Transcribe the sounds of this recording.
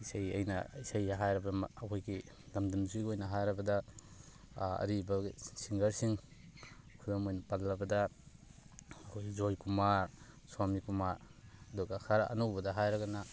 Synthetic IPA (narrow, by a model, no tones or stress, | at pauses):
isaja̰jnɐ̰isajaɦajɾɐbaɐkʰojɡi | lamdumziɡojnɐɦajɾɐbɐda | ɐ̰ɾibasiŋɡɐɾsiŋ | kʰudɔmojnɐpalːɐbɐdɐ | ɐkʰojzojkumaɾsamikumaɾɐduɡakʰaɾɐ̰nuwbɐdɐɦajɾɐɡana